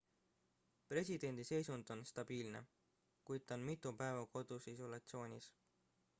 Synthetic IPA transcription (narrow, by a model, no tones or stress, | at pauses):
pre̞sʲid̪̥e̞nʲd̪̥ise̞jsund̪̥o̞nst̪ɑb̥iːlne̞̰ | kujd̪̚t̪ːɑonmit̪ːˑupæevɑko̞d̪̥usiso̞lɑt̪sio̞ːnʲis